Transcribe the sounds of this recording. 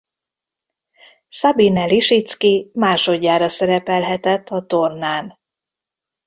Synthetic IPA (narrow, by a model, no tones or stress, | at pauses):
sɒbinɛliʃit̪skimaːʃo̞ɟːaːɾɒsɛɾɛpɛlɦɛt̪ɛt̪ʰːɒt̪ornaːn